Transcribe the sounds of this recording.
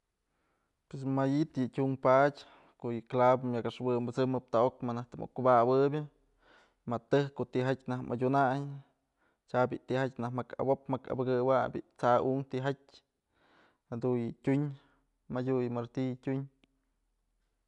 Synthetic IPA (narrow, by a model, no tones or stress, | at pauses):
pwes̬majit̪jɨtʲumpatʲ | koʔjɨklabmʲjakaʂwɨmbɨt͡sɨmɨp̚t̪aʔokmanaht̪ɨmʔo̰kːubawɨbʲɨ | mat̪ɨhkoʔt̪iɦatʲnahmʔa̰dʲunaj | t͡ʃabʲiʔt̪iɦat̚ʲnahmaka̰bopmaka̰bɨɡɨwabʲḭʔt͡sauŋt̪iɦatʲ | had̪unjɨtʲuɲ | madʲujɨmaɾt̪ijtʲuɲ